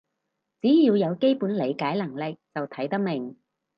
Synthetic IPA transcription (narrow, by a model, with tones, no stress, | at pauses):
t͡siː˨˥jiː˧wjɐ˨˧wke˥jpuː˨˥nle˨˧jkaː˨˥jlɐ˨˩ŋlɪ˨k̚t͡sɐ˨wt̪ʰɐ˨˥jt̪ɐ˥k̚mɪ˨˩ŋ